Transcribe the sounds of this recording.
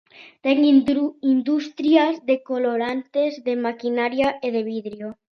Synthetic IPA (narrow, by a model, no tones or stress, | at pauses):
t̪eŋind̪ust̪ɾjazðekoloɾant̪ezðemakinaɾjaeðeβ̞iðɾjo